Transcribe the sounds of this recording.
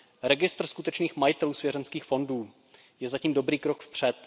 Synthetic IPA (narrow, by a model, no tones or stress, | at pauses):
ɾɛɡɪst̪r̩skut̪ɛt͡ʃniːxmajɪt̪ɛluːsvjɛrɛnskiːxfo̞nduː | jɛzaciːmdobɾiːkɾokfpr̝̥ɛt̪